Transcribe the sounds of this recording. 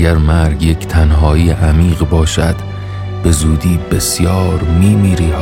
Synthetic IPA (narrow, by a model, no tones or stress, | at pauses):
æɾmæɾɡje̞cʰt̪ʰænɦɒːiːeʔæmiːɢbɒːʃæd̪̥ | b̥e̞zuːd̪iːbe̞sjɒːɾmiːmiːɾiː